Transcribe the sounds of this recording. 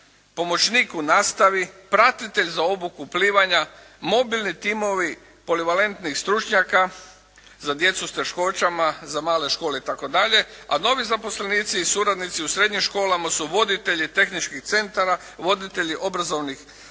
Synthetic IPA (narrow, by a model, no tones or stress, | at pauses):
po̞mo̞t͡ɕniːkunaːst̪aʋipɾat̪it̪e̞ʎzao̞bukuːpliːʋaɲa | mo̞bilˠnit̪imo̞ʋi | po̞liʋale̞nt̪nixst̪ɾut͡ʃɲaka | zad̪je̞t̪sust̪e̞ʃko̞t͡ɕamazamaːle̞ʃko̞ːleit̪ako̞d̪aʎe̞a̰no̞ʋizapo̞sle̞niːt̪siːsuɾad̪nit̪siusɾe̞d̪ɲimʃko̞ːlamasuʋo̞d̪it̪e̞ʎit̪e̞xnit͡ʃkixt̪se̞nt̪aɾa | ʋo̞d̪it̪e̞ʎiʔo̞bɾazo̞ʋnix